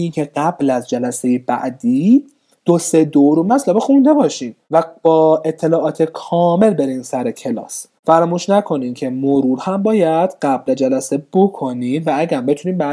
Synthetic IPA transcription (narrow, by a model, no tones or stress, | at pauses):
iːncʰe̞ɢæblæzd͡ʒælæse̞jebæ̰ʔd̪iː | d̪̥ose̞d̪owɾomæt̪ʰlæbexũnd̪e̞bɒːʃiːmvæb̥ɒːe̞t̪ʰːe̞lɒːʔɒːt̪ʰekʰɒːme̞lbe̞ɾiːnsæɾecʰe̞lɒ̰ːs | fæɾɒːmuːʃnækʰo̞niːmcʰe̞moɾuːɾhæmbɒːjæd̪̥ɢæbled͡ʒælæse̞b̥o̞kʰo̞niːmvææɡæɾbe̞t̪ʰuniːmbæ